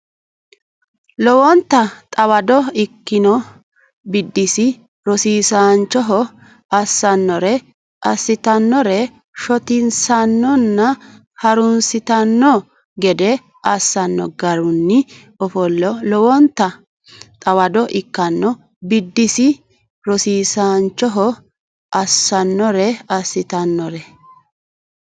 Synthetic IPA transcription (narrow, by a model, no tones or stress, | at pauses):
lɔwɔnt̪ːɐt̪ʼɐwɐd̪ɔɪkːɪnɔ | bɪd̪ːɪsɪ | ɾɔsiːsaːnt͡ʃːɔɦɔ | ɐsːɐnːɔɾɛ | ʔɐsːɪt̪ɐnːɔɾɛ | ʃɔt̪ɪnsɐnːɔnːɐ | hɐɾʊnsɪt̪ɐnːɔ | ɡɛd̪ɛ | ɐsːɐnːɔ̰ɡɐɾʊnːɪ | ɔfɔlːɔlɔwɔnt̪ːɐ | t̪ʼɐwɐd̪ɔʔɪkːɐnːɔ | bɪd̪ːɪsɪ | ɾɔsiːsaːnt͡ʃːɔɦɔ | ɐsːɐnːɔɾɛɐsːɪt̪ɐnːɔɾɛ